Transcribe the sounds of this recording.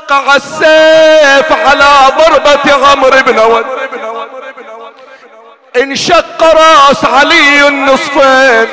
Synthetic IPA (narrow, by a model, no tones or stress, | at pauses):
qːɑʕasːeːfʕalaːðˤɑɾˤbat̪ɣamɾɪbnaw | ʔɪnʃaqːɑɾˤɑsʕalinːɨsˤfeːn